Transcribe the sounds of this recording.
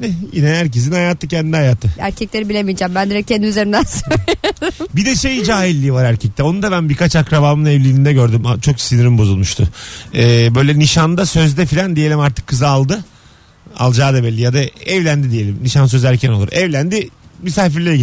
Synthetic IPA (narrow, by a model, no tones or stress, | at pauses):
nɛjinɛhæɾcezinhajaːt̪ʰːɯcʰɛnd̪inihajaːt̪ʰːɯæɾcʰɛclʲe̞ɾibilʲemid͡ʒæmbænd̪iɾɛcʰɛnd̪iyzeɾind̪ænso | bid̪ɛʃe̞jd͡ʒaːɦilʲːiːvaɾæɾcʰɛc̚t̪ɛo̞nund̪aβbænbiɾkat͡ʃakɾabaːmɯnɛvlʲilʲind̪ɛɟøɾd̪ymat͡ʃʰo̞ksinɾimbozulˠmuʃt̪ʰʊɛːbø̞jlʲɛniʃand̪asø̞zd̪ɛfilʲand̪ije̞lʲimaɾt̪ʰɯ̥kʰːɯzaalˠd̪ɯ | a̰lˠd͡ʒaːd̪abelʲːijad̪aɛvlʲænd̪id̪ije̞lʲimniʃans̬øzæɾcʰæno̞lˠuɾɛvlʲænd̪imysaːfiɾlʲeɛɟi